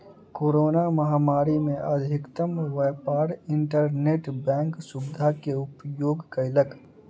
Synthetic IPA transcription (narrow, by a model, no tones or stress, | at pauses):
koːɾoːnamɐɦaːmaːɾimẽʔɐd̪ʱɪkt̪əmʋeːpaːɾɪ̃ɳʈəɾneːʈbɛ̃ːŋksʊbɪd̪ʱakeʊpjoːɡkaɪlək